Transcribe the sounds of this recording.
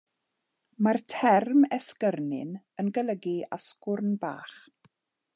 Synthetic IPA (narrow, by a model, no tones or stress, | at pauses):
martʰɛrmɛskərnɪ̰n | ənɡəlˠəɡiaskʊrnba̰ːχ